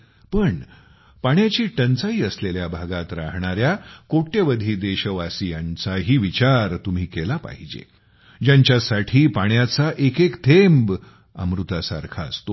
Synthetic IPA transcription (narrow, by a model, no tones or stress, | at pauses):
pəɳ | paɽ̃jat͡ɕiːʈənt͡saɦiːəsleljabʱaɡat̪ɾaɦɳ̃aɾjakoʈeʋəd̪ʱiːd̪eɕəʋasijant͡saɦiːʋit͡ɕaɾt̪um̤iːkelapa̰ɦid͡ʑḛ | d͡ʑjaɲt͡ɕjasaʈʰiːpaɳjat͡saʔekekt̪ʰemb | ə̰mɾut̪asa̰ɾkʰaəst̪o